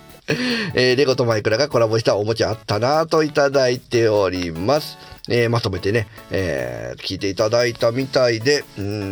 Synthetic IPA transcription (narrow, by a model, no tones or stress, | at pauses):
eːɾe̞ɡo̞t̪o̞maikɯ̟ɾaɡako̞ɾabo̞ɕ̬i̥t̪aomo̞t͡ɕiat̪ːanat̪o̞it̪ad̪ait̪e̞o̞ɾʲimasɨ̥eːmat̪o̞me̞t̪e̞ne̞ḛːkʲiːt̪e̞it̪ad̪ait̪amʲit̪aid̪ẽ̞